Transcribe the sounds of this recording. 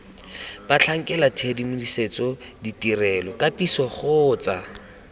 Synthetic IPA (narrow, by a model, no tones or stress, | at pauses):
b̥at͡ɬʰaŋ̩kʼɛlatʰedimʊdiset͡sɔditirɛlɔkatisɔχʊːt͡sa